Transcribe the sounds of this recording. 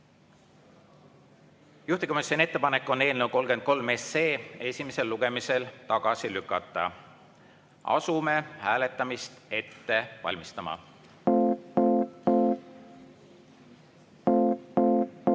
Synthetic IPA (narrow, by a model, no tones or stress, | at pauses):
juht̪iko̞misʲːonʲie̞t̪ːe̞pɑne̞kːˑo̞ne̞ːlnewko̞lɡ̥end̪̚ko̞lmeːse̞ːe̞sʲime̞se̞lːuɡ̥e̞mise̞lt̪ɑɡ̥ɑsilykːˑɑt̪ˑːɑ̰ | ʔɑ̰sume̞hæːle̞t̪ˑːɑmist̪e̞t̪ːe̞vɑ̰lʲmist̪ɑmɑ̰